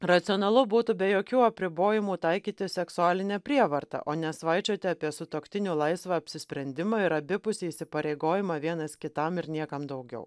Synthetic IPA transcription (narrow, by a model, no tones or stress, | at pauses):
ɾɐt̪sʲɪɔnɐlˠʊbuːt̪ʊbʲɛjoːkʲuːɐpʲɾʲɪboːjɪmuːt̪ɐɪkʲiːt̪ʲɪsʲɛksʊaːlʲɪnʲɛpʲɾʲiɛʋɐɾt̪ɐ̰ʔoːnʲɛsʋɑɪt͡ʃʲoːt̪ʲɪɑːpʲiɛsʊt̪oːkt̪ʲɪnʲuːlˠɐɪsʋɐɐpʲsʲɪsʲpʲɾʲɛnʲd̪ʲɪmɑɪɾɐbʲɪpʊsʲeisʲɪpɐɾʲeɪɡoːjɪmɑʋʲiɛnɐskʲɪt̪ɐmɪɾnʲiɛkɐmd̪ɐʊɡʲɛ̰ʊ